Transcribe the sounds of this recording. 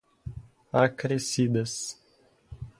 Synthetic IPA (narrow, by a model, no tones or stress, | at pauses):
akɾesid̪ɐs